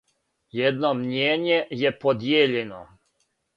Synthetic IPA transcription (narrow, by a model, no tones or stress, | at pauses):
jɛd̪nomɲeːɲejepod̪jeːʎeno̰